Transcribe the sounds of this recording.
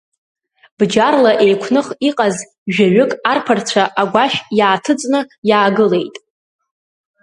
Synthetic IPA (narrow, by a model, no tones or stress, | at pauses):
b̥d͡ʒarlaʔe̞jkʷʰnɨχiqʼaz | ʒᶣaɥʏkʼarpʰart͡sʷʰaʔaɡʷaʃᶣjaːtʰɨt͡sʼnɨjaːɡɨle̞jtʼ